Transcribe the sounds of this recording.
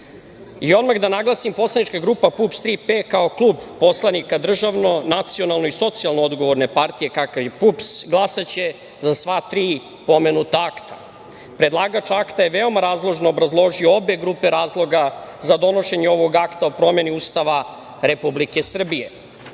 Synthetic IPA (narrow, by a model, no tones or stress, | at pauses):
io̞d̪maɣd̪anaɡlˠasimpo̞slˠanit͡ʃkaɡɾupapupst̪ɾipekao̞klˠuːbpːo̞slˠanikad̪r̩ʒaʋno̞nat̪sio̞nalˠno̞iso̞t̪sialˠnoo̞d̪ɡo̞ʋo̞ɾne̞paɾt̪ije̞kakaʋje̞pupsɡlˠasat͡ɕe̞ | zasʋat̪ɾiː | po̞me̞nut̪aakt̪ʰa | pɾe̞d̪lˠaːɡat͡ʃaakt̪ajeʋe̞o̞maɾaːzlˠo̞ʒnoobɾazlˠo̞ʒioobe̞ɡɾupeɾaːzlˠo̞ɡazad̪o̞no̞ʃe̞ɲeo̞ʋo̞ɡakt̪aopɾo̞me̞niuːst̪aʋa | ɾepublike̞sr̩bije̞